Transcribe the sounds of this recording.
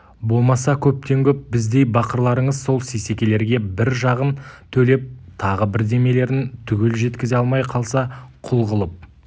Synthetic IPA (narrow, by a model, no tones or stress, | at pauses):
bo̞lˠmɑsɑkʲʰɵp̚t̪e̞ŋkʲɵp̚bɪzd̪e̞jbɑqəɾlˠɑɾəɴəzso̞lˠsese̞kʲe̞le̞ɾɡʲe̞bɪɾʒɑʁənt̪ʰɵle̞p̚t̪ʰɑʁəbɪɾd̪e̞me̞le̞ɾɪnt̪ʰʏɡʲe̞lʒe̞t̪kʲɪzeɑlˠmɑjqʰɑlˠsɑqʰʊlˠʁəlˠəp̚